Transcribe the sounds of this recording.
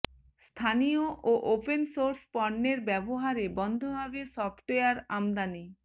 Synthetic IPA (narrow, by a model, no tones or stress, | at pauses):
st̪ʰanijoʔoʔopensoɾspɔɖːeɾbɛboɦaɾebɔnd̪ʱobʱabeʃɔpʈojaɾamd̪ani